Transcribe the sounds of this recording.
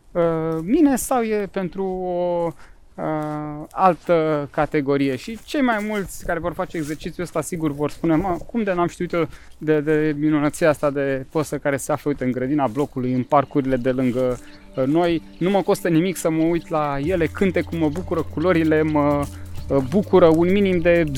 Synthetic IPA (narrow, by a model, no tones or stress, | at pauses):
əmine̞sawjepe̞nt̪ɾuo | əalt̪əkat̪e̞ɡo̞ɾije̞ʃit͡ʃe̞jmajmult̪sʲkaɾe̞vo̞rfat͡ʃeːɡzert͡ʃit̪sʲjuəst̪asiɡurvo̞rspune̞məkumd̪e̞namʃt̪iut̪jod̪ed̪e̞minunət̪sieast̪ad̪e̞pəsəkaɾe̞seafləujt̪ɨŋɡɾəd̪inablo̞kulujɨnparkuɾile̞d̪e̞lɨŋɡə | no̞j | numəko̞st̪ənimiksəməujt̪laje̞le̞kɨnt̪e̞kumːəbukuɾəkulo̞ɾile̞mə | bukuɾəunminimd̪e̞